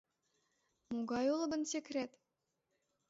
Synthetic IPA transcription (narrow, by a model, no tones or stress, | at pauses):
muɡɑjulˠɤ̆bə̆nsekrʲet̪